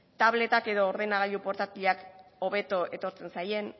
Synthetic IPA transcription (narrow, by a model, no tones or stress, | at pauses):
t̪aβ̞le̞t̪ake̞ðo̞ːɾðe̞naɣaʎupo̞ɾt̪at̪iʎako̞βe̞t̪oʔe̞t̪o̞ɾt͡se̞nsajen